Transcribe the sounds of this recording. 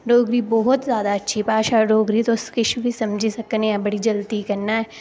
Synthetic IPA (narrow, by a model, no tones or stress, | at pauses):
ɖoːɡɾibɔɦʊt̪zjaːd̪aɐtːʃʰipaːʃaɖoːɡɾit̪oskɪʃʰbʱisɐmd͡ʒʱisɐknẽɛ̃bɐɽid͡ʒɐlt̪ikɐɾnaɛː